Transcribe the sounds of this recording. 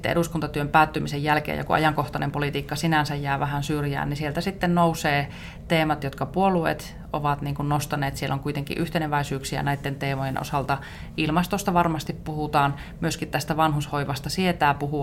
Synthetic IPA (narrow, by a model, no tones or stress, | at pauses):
t̪ːḛḛɾuskunt̪ɑt̪yømpæːt̪ːymisejjælkḛːjɑ̰kṵʔɑ̰jɑŋkoht̪ɑnḛmpolit̪iːkːɑsinænsæjjæːʋæhænsyrjæ̰ːnnisielt̪æsit̪ːennouseː | t̪eːmɑt̪jot̪kɑpuolˑuḛt̪ | ʔo̰ʋɑt̪niːŋkunnost̪ɑneːt̪sielːʔoŋkuit̪eŋkḭʔyht̪enæʋæisyːksiæ̰næit̪ːent̪eːmojenʔo̰sɑlt̪ɑ | ʔilmɑst̪ost̪ɑʋɑrmɑst̪ippuhut̪ɑːn | myøskit̪t̪æst̪æʋɑnhushoiʋɑst̪ɑsiet̪æːpuhu